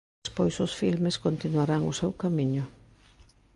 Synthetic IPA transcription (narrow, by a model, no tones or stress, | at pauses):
spojsʊsfilmeskont̪inwaɾaŋʊsewkamiɲʊ